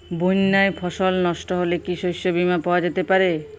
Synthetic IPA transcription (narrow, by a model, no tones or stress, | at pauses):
bonːaepʰɔʃɔlnɔʃʈɔɦolekiʃojʃobimapawad͡ʑet̪epaɾe